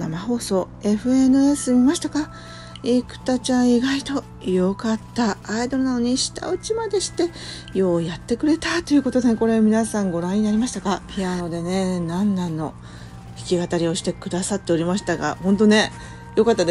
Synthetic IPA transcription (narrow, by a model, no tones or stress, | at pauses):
namaho̞ːso̞ː | e̞ɸɯ̟e̞nɯ̟esɨmʲimaɕi̥t̪aka | ikɯ̟̥t̪at͡ɕãɰ̃iɡait̪o̞ | jokat̪ːaːid̪o̞ɾɯ̟nano̞ɲ̟iɕi̥t̪a̰ɯ̟t͡ɕimad̪e̞ɕi̥t̪e̞ | jo̞ːjat̪ːe̞kɯ̟ɾe̞t̪at̪ojɯ̟ko̞t̪o̞d̪ene̞ko̞ɾe̞mʲinasãŋɡo̞ɾãɲ̟inaɾʲimaɕi̥t̪akapʲiano̞d̪e̞ne̞nãnːãnːo̞ | çʲi̥kʲiɡat̪aɾʲio̞ɕi̥t̪e̞kɯ̟d̪asat̪ːe̞o̞ɾʲimaɕi̥t̪aɡa̰hõ̞nt̪̬o̞ne̞ | jo̞kat̪ːad̪e